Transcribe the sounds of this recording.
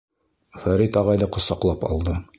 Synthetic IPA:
fæɾit̪ɒʁɑjd̪ɑqŏsɑqlˠɑpɒ̰lˠd̪ɤ

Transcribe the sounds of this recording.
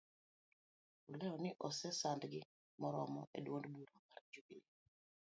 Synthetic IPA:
ulɛɔnɪʔosɛsandɡɪ | mɔɾɔmɔʔḛdwondbuɾomaɾd͡ʒubini

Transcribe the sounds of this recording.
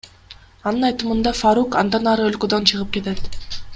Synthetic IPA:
ɑnɯnɑjt̪ɯmɯnd̪ɑfaɾukɑnd̪ɑnɑɾɯølkød̪ønt͡ʃʰɯʁɯp̚ke̞t̪et̪

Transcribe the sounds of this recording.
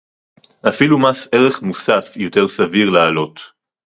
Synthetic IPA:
ʔafilumase̞ʁe̞χmusafjo̞te̞ʁsaviʁlaːlo̞t

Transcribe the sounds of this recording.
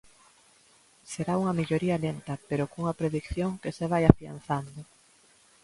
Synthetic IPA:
seɾauŋɐmiʎoɾiɐlent̪ɐpeɾokuŋɐpɾeðikθjoŋkeseβ̞ajafia̰nθand̪ʊ

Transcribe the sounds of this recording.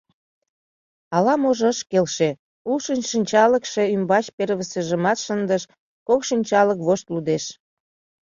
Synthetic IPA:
ɑlɑmoʒəʃkelʃe | ulʃənʲʃənʲt͡ɕɑləkʃe̽ymbɑt͡ɕpeɾβəsəʒəmɑt̪ʃənd̪əʃ | kokʃinʲt͡ɕɑləkβoʃt̪lud̪eʃ

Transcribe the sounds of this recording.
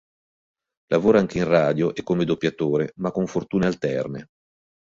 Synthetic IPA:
lʔavoːɾoaaŋk̟einraːd̪joʔekːomed̪opːjat̪oːɾemakːoɱfort̪uːnealt̪ɛrnḛ

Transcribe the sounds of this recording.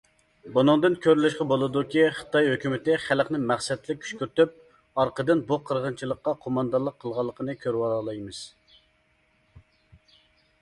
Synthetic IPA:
bunɨŋd̪ɨnkʲʰøɾlɪʃqɑbolˠɨd̪ukʲiχə̥t̪ɑjhøkʲymɪt̪ɪχælqnɪmæχsɛt̪lɪk̚ʲʰy̥ʃkʲyɾt̪yp̚ | ɑɾqəd̪ɨnbuqʰəɾʁənt͡ʃʰilˠəqːɑqʰomɑnd̪ɑnlˠəqʰːəlˠʁɑlˠːəqʰənɨkʲʰøɾwɑlˠɑjmɨz̥

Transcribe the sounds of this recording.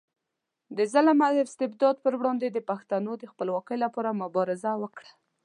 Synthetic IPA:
d̪əzalamad̪əɪst̪ɪbd̪ɑd̪̚pəɾwɽɑnd̪ed̪əpaxt̪anod̪əxpəlwɑkəjlapɑɾamʊbɑɾɪzawəkɽḁ

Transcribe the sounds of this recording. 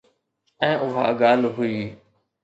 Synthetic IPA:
ɛ̃ːʊɦa̰ːɡaːlɦʊiː

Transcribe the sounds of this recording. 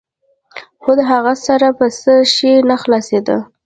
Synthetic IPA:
xod̪əɦaɣasaɾapəsəʃenaxlɑsed̪ə̰

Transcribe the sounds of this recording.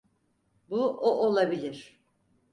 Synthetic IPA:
buʔoʔolˠabilʲiɾ̥

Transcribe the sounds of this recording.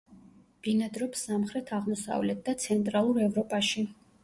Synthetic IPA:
b̥inad̪ɾɔpsamχɾɛt̪ʰaʁmɔsa̰vlɛt̪̚ʰd̪at̪sʰɛnt̪ʼɾalˠuɾɛvɾɔpʼaʃi

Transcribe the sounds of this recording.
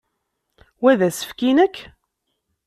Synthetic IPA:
wæðæsə̥fkinəkː

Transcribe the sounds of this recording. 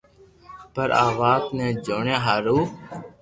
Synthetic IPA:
pəɾaːʋaːt̪nẽːd͡ʒoːɳẽːɦaːɾuː

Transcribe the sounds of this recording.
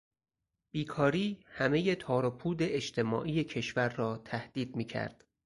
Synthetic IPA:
b̥iːkʰɒːɾiːhæme̞jet̪ʰɒːɾopʰuːd̪eeʃt̪ʰe̞mɒ̰ːʔiːjecʰe̞ʃvæɾːɒːt̪ʰæhd̪̥iːd̪̚miːcʰæ̰ɾd̪̥

